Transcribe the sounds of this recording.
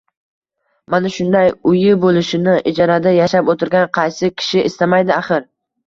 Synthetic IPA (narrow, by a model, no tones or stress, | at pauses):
manaʃʊnd̪ajʊjɪbolɪʃɪnɪʔɪd͡ʒɒɾad̪ajaʃapot̪ʰɪɾɡʲanqʰɑjsɪkʲʰɪ̥ʃɪʔɪst̪amajd̪ɪaχɪɾ